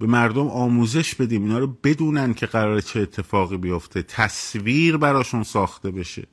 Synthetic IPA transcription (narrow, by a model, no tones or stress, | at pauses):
be̞mæɾd̪o̞mʔɒːmuːze̞ʃbe̞d̪iːmiːnɒːɾobe̞d̪uːnænd̪̥cʲʰe̞ɣæɾɒːɾet͡ʃʰeːt̪ʰːe̞fɒːɣiːbijo̞ft̪ʰe̞t̪ʰæsviːɾbæɾɒːʃunsɒːxt̪e̞be̞ʃe̞̰